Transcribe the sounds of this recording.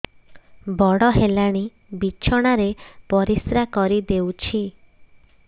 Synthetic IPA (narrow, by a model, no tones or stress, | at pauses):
bɔɽɔɦelaɽ̃i | bit͡ʃʰɔɽ̃aɾepɔɾisɾakɔɾid̪ewt͡ʃʰi